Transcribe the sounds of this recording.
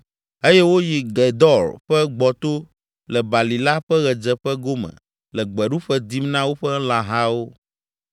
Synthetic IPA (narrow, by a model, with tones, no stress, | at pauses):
e˦jɛ˦wo˦ji˨ɡɛ˨d̪ɔ˦˨ɾɸɛ˦ɡ͡bɔ˨t̪o˦ | lɛ˨ba˨li˨la˦ɸɛ˦ɣɛ˨d͡ʒɛ˨ɸɛ˦ɡo˦mɛ̰̃˨ | lɛ˨ɡ͡bɛ˨ɖu˦ɸɛ˦d̪i˦mnã˦wo˦ɸɛ˦lã˨ɦã˦wo˦